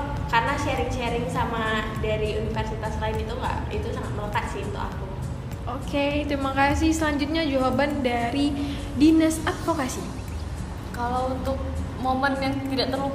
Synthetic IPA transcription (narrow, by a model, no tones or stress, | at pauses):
karnaʃɛɾɪŋʃɛɾɪŋsamadaɾiunifɛrsit̪aslaɪnit̪uŋɡa̰ʔit̪usaŋat̪̚mələkat̪̚sɪhunt̪ʊka̰ku | ʔoket̪ɾimakaasɪhsəlaɲd͡ʒʊt̪̚ɲad͡ʒoɦabandaɾi | dinəsat̪̚fokasi | kalawunt̪ʊk̚ | momənjaŋt̪idaʔt̪ərluk